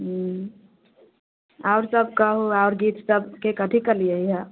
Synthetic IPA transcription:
ɦ | aʊɾsəb̚kəɦuaʊɾɡit̪səbkekət̪ʰikəlijəjɦə

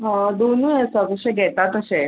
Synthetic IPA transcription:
ɦãd̪onuəsəkəɕẽɡʱɛt̪at̪əse

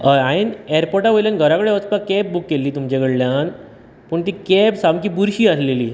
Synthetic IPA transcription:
əaineɾpɔʈaʋəjlanɡʱəɾãkəɽeʋət͡spakɛp̚bukːelːiːt̪umd͡ʑeɡəɽljan | pəɳt̪iːkɛpsamkiːbuɾɕiːasleliː

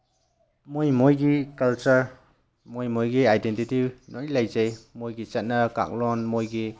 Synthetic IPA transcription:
mojmojɡikɐlt͡ʃəɾ | mojmojɡiajdentitinɔilajzejmojɡit͡ʃɐt̚nɐka̰k̚lɔnmojɡi

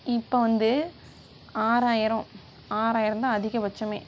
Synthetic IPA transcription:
ɪpːoːʋɐnd̪ɯ | aːɾaːjɪɾɐ̃ | aːɾaːjɪɾɐ̃t̪ãːɐðɪɣɐbɐt͡ʃːɐmḛː

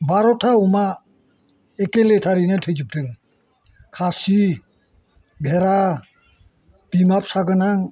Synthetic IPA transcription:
baɾɔtʰauma | ekeletʰaɾinatʰɯjd͡ʒɯp̚dɯŋ | kʰasi | bʱeɾa | b̥imap̚saɡɯnaŋ

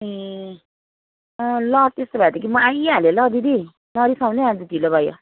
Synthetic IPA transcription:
i | lʌt̪est̪obʱad̪ikimʌajalelʌd̪id̪i | lʌɾisãw̃neãd͡zit̪ilobʱajo̰

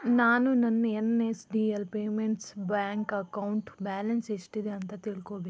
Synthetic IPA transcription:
naːnũːnənːenːesɖiːəlpeːmẽɳʈsbɛːŋkəkaːʊɳʈbɛːlənsɪsʈiːd̪eənt̪ət̪ɪlkoːbeː

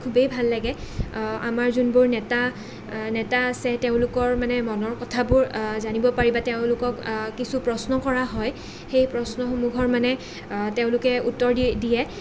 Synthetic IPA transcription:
kʰubejbʱalːaɡɛamaɹzunbʊɹnɛta | nɛtaːsɛteʊ̃lʊkɔɹmanɛmɔnɔɹkɔtʰabʊɹzanibɔpaɹibateʊ̃lʊkɔkːisupɹɔsnɔkɔɹaɦɔj | xejpɹɔsnɔxomuɡʱɔɹmanɛ | teʊ̃lʊkɛutːɔɹdidijɛ

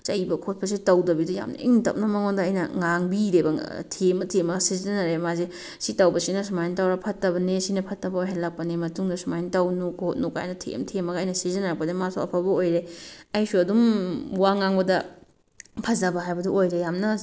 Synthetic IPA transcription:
t͡ʃɐjbɐkʰot̚pʰɐs̬itɐwdɐbiduja̰mnɐ̰ḭŋtɐ̰p̚nɐmɐŋodɐːjnɐŋaŋbiɾebɐ̰tʰemɐtʰemɐɡsiziɐnaɾemaze | sitawbɐsinɐsumajntawɾapʰɐtːɐbɐnesinɐpʰɐtːɐbɐojɦanlak̚pɐnemɐtuŋdɐsumajntawnukʰot̚nuka̰jnɐtʰḛmtʰemɐɡːjnɐsizɐnaɾɐk̚pɐdemasuɐ̰pʰabɐojɾeɐjsuɐdumwaŋaŋbɐdɐ | pʰɐzɐbɐɦajbɐduojɾejamnɐ

